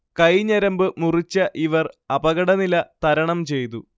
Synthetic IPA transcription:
kɐjɲɐɾɐmbɨmurit͡ɕːɐʔiʋɐrɐbɐɣɐɽɐnilɐt̪ɐɾɐɳɐmt͡ɕe̞jt̪̬u

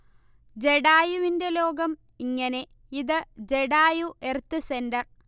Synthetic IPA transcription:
d͡ʑe̞ɽaːjuʋinde̞lo̞ːɡɐm | iŋːɐne̞ | iðɨd͡ʑe̞ɽaːjuʔert̪ːɨse̞ndɐr

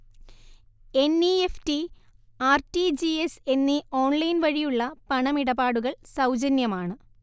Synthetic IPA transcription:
enieftiaːrtid͡ʑiese̞nːio̞ːnlɐjnʋɐɻijuɭːɐpɐɳɐmiɽɐbaːɽuɣɐɭsɐwd͡ʑɐnjɐmaːɳɨ

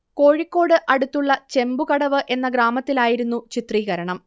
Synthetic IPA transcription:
ko̞ːɻikːo̞ːɽɨʔɐɽut̪ːuɭːɐt͡ɕe̞mbukɐɽɐʋɨʔe̞nːɐɡɾaːmɐt̪ːilaːjiɾunːut͡ɕit̪riːɣɐɾɐɳɐm

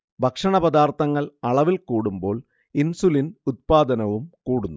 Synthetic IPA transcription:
bʱɐkʂɐɳɐbɐd̪aːrt̪ʰɐŋːɐɭɐɭɐʋilkuːɽumbo̞ːɭ | insulinut̪̚paːd̪ɐnɐʋumkuːɽunːu

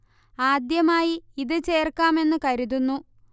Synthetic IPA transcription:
aːd̪jɐmaːjiiðɨt͡ɕe̞ːrkːaːme̞nːɨkɐɾiðunːu

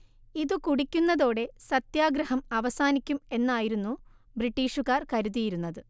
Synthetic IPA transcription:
iðɨkuɽikʲːunːɐðo̞ːɽe̞sɐt̪jaːɡɾɐɦɐmɐʋɐsaːnikʲːume̞nːaːjiɾunːu | briʈːiːʂuɣaːrkɐɾuðijiɾunːɐðɨ

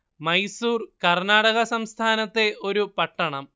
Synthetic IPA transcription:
mɐjsuːrkɐrnaːɽɐɣɐsɐmst̪ʰaːnɐt̪ːe̞o̞ɾupɐʈːɐɳɐm

